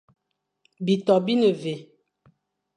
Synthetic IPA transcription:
bi˨tɔ˨bi˦nə˨ve˨

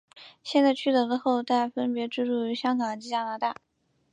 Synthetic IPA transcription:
ɕjɛ˥˧nt͡sa˥˧ɪt͡ɕʰy˥˩t̪ɤ˧˥lə˧xo˥˧ʊt͡s̪a˥˩ɪfə˥npjɛ˧˥ʈ͡ʂɻ̩˥˧ʈ͡ʂu˥˩y˧˥ɕjɑ˥ŋɡɑ˨˩ŋt͡ɕi˧˥t͡ɕja˥na˧˥t̪a̰˥˩

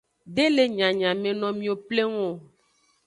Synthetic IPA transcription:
ɖe˦le˨ɲã˨ɲã˨mẽ˨nɔ̃˨mĩ˨o˨ple˦ŋɔ̃˦˨

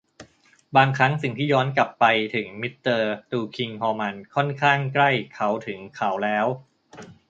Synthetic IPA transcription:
baː˧ŋkʰɾa˦˥ŋsi˨˩ŋt̪ʰiː˥˩jɔː˦˥nkla˨˩pːa˧jt̪ʰɯ˩˦ŋmi˦˥t̪ːɤː˧t̪uː˧kʰi˧ŋhɔː˧ma˧nkʰɔ˥˩nkʰaː˥˩ŋkla˥˩jkʰa˦˥wt̪ʰɯ˩˦ŋkʰa˩˦wlɛː˦˥w

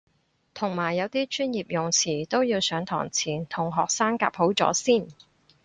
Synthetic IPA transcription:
t̪ʰʊ˨˩ŋmaː˨˩jːɐ˨˧wt̪iː˥t͡ʃʰyː˥njiː˨p̚jʊ˨ŋt͡sʰiː˨˩t̪o˥wjiː˧wsœː˨˥ŋt̪ʰɔ̰ː˨˩ŋt͡sʰiː˨˩nt̪ʰʊ˨˩ŋɦɔː˨k̚saː˥ŋka̰ː˧p̚ho˨˥wt͡sɔ̰ː˨˥siː˥˩n

